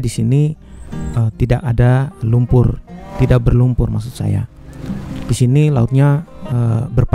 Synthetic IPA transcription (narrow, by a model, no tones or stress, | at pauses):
disini | ət̪idakadalumpʊrt̪idak̚bərlumpʊrmas̬ʊt̪̚sa̰ja̰ | disinilaʊt̪̚ɲaəbərp